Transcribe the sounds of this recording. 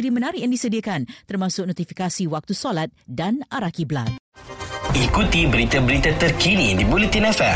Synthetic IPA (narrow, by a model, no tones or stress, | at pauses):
ɾimənaɾɪjaŋdisədiakant̪ərmãsʊk̚nɔt̪ifikasiwak̚t̪usolat̪̚danʔaɾakibla̰t̪̚ | ikut̪ibəɾit̪abəɾit̪at̪ərkinidibulit̪inɛfɛ